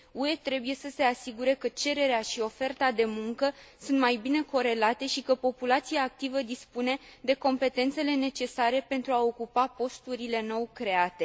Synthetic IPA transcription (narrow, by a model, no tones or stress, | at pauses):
ue̞t̪ɾe̞buje̞səse̞asiɡuɾe̞kət͡ʃe̞ɾe̞ɾeaʃio̞fe̞rt̪ad̪e̞muŋkəsunt̪majbine̞ko̞ɾe̞lat̪e̞ʃikəpo̞pulat̪sijaːk̚t̪ivəd̪ispune̞d̪e̞ko̞mpe̞t̪e̞nt̪se̞le̞ne̞t͡ʃe̞saɾe̞pe̞nt̪ɾuao̞kupapo̞st̪uɾile̞no̞wkɾe̞at̪e̞